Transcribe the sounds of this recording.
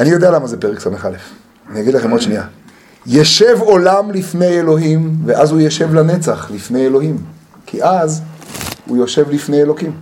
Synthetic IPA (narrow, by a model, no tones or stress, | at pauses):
anijo̞d̪ealamazepe̞ʁeksameχalef | anijaɡid̪laχemodʃnia̰ | jeʃe̞vo̞lamlifne̞jelo̞ɦimveʔazhujeʃe̞vlane̞t͡saχlifne̞jelo̞ɦim | kʰiʔaz | hṵjo̞ʃe̞vlifne̞jelo̞kim